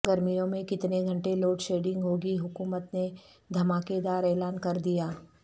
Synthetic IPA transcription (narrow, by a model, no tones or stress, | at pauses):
ɡɐɾmijõmẽkɪt̪neɡʱɐ̃ɳʈeloːʈʃeːɖɪ̃ŋɡɦoːɡiɦʊkuːmət̪ne | d̪ʱɐmaːked̪aːɾɛːlaːnkɐɾd̪ijaː